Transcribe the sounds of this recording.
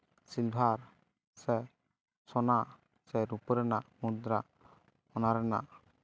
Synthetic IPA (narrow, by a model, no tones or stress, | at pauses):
silbʱaɾ | sɛ | sɔna | sɛɾupɾɛnamud̪ɾa | ɔnaɾɛna̰